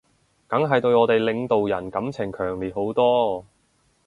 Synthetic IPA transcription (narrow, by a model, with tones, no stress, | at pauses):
kɐ˨˥ŋɦɐ˨jt̪ɵ˧ɥɔː˨˧t̪e˨jlɪ˨˧ŋt̪o˨wjɐ˨˩nkɐ˨˥mt͡sʰɪ˨˩ŋkʰœː˨˩ŋliː˨t̚ho˨˥wt̪ɔː˥